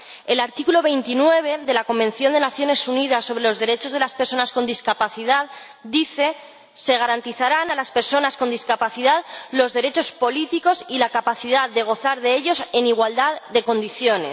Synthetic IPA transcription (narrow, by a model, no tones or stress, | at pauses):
e̞laɾt̪ikulo̞β̞e̞jnt̪inwe̞β̞e̞ðe̞lako̞mbẽ̞nθjo̞nd̪e̞naθjo̞ne̞sunið̞asːo̞β̞ɾe̞lo̞zðe̞ɾe̞t͡ʃo̞zðe̞laspeɾso̞nasko̞nd̪iskapaθiðað | d̪iθe̞ | se̞ɣ̞aɾant̪iθaɾanalaspe̞ɾso̞nasko̞nd̪iskapaθiðaðlo̞zðe̞ɾe̞t͡ʃo̞spo̞lit̪iko̞silakapaθiðaððːe̞ɣ̞o̞θaɾðe̞eʎo̞se̞niɣ̞wald̪aðd̪e̞ko̞nd̪iθjo̞ne̞̰s